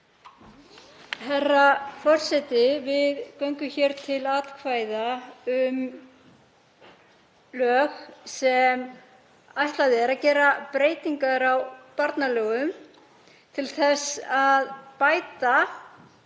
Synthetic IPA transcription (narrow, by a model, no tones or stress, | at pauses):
hɛrːafɔr̥sɛt̪ɪvɪðkœɥŋkʏçɛɾt̪ʰɪlaːt̪kʰvaːjðaʏm | lœːxsɛm | ajht̪laðɪɛɾaðcɛːɾapɾeːjt̪iŋkaɾawpaɾt̪nalœːɣʏm | t̪ʰɪlθɛsaðpaːjt̪a